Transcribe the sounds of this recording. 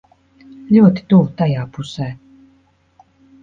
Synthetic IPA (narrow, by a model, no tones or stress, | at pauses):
lʲuɔt̪i̥t̪ut̪ajaːpusɛː